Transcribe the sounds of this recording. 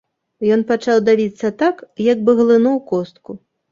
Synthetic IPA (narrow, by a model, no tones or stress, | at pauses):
jɔnpat͡ʂawd̪avʲit̪sːɐt̪akjaɡbɨɣlˠɨnuwkɔst̪ku